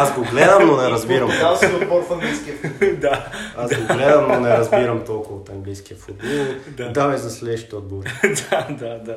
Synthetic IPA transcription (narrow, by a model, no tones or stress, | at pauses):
azɡoɡlɛd̪ɐnonɛɾɐzbiɾɐmasot̪bɔɾfɐŋɡlijskʲiɐfd̪aazɡoɡlɛd̪ɐmnonɛɾɐzbiɾɐmt̪ɔlˠkʊvɐot̪ɐŋɡlijskʲiɐfʊd̪̚bɔlˠd̪ad̪avizɐslɛʃt̪od̪̚boɾd̪ad̪ad̪a